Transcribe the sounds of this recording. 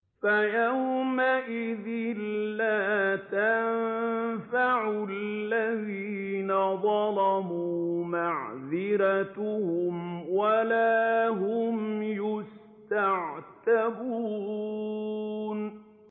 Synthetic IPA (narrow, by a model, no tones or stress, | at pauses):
fajawmaʔɪðɪlːaːt̪amfaʕʊllːaðiːnaðˤɑlɑmuːmaʕðɪɾat̪ʊhʊmwalaːɦʊmjʊs | t̪aʕt̪abuː | n